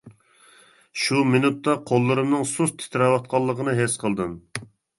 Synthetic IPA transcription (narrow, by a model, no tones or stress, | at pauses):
ʃumɪnut̪ːɑqʰolˠːɨɾɨmnɨŋsust̪ʰɪ̥t̪ʰɾɑwɑt̪̚qʰɑlˠːəqənɨɦesqʰəlˠd̪ɨm